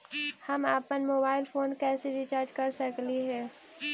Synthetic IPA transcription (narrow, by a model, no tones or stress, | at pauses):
hɐmaːpənmoːbaːɪlfʰoːnkɛːseɾit͡ʃaːɾd͡ʒkɐɾsəkliɦɛː